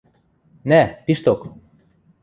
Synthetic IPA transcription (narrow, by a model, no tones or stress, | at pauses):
næpiʃt̪ok